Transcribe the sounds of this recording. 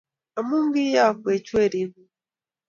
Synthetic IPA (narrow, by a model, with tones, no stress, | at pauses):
a˨mu˦ŋɡi˦ja˦˨kwe˨t͡ʃwe˦˨ɾi˨bu˦